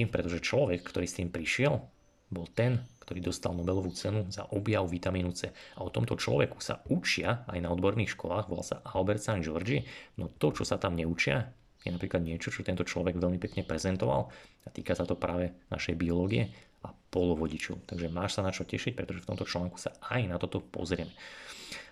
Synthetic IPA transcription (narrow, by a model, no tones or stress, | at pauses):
pɾɛt̪ɔʒɛt͡ʃlɔʋɛkːt̪ɔɾiːst̪iːmpɾiʃɪɛl | bɔlt̪ɛnkt̪ɔɾiːd̪ɔst̪alnɔbɛlɔʋuːt͡sɛnuza̰ʔɔbjaʊʋit̪amiːnut͡sɛaɔt̪ɔmt̪ɔt͡ʃlɔ̰ʋɛku̥sa̰ut͡ʃɪaajnaɔd̪bɔɾniːxʃkɔlaːɣʋɔɔ̰lsa̰ʔalbɛɾt̪sand͡ʒɔɾd͡ʒiɛnɔt̪ɔt͡ʃɔsat̪amɲɛut͡ʃɪa̰ | jɛnapɾiːklad̪ɲɪɛt͡ʃɔt͡ʃɔt̪ɛnt̪ɔt͡ʃlɔʋɛɡʋɛlmipɛkɲɛpɾɛzɛnt̪ɔʋa̰l | at̪ḭːkasat̪ɔpɾaːʋɛna̰ʃɛjbiɔlɔːɡiɛ | apɔlɔʋɔɟit͡ʃɔ̰ʊt̪aɡʒɛmaːʃsanat͡ʃɔcɛʃic̚pɾɛt̪ɔʒɛft̪ɔmt̪ɔt͡ʃlaːŋku̥saajnat̪ɔt̪ɔpɔ̰zɾɪɛmɛ